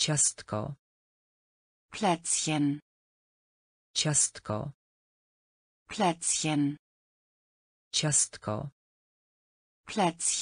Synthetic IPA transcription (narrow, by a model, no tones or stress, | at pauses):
t͡ɕast̪kɔ̰ | pʰlɛt̪sjɛn | t͡ɕast̪kʰɔ̰ | plɛt̪sjɛn | t͡ɕast̪kʰɔ̰ | plɛt̪s